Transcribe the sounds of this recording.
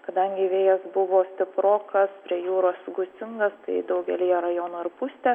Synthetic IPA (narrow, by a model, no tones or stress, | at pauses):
kɐd̪ɐŋʲɡʲɪʋʲeːjɛsbʊʋoːsʲt̪ʲɪpɾoːkɐspʲɾʲiɛjuːɾoːsɡʊt̪t͡s̪ʲɪŋɡɐst̪ɐɪd̪ɐʊɡʲɛlʲɪjɛɾɐjoːnoːɪɾpʊsʲt̪ʲɛ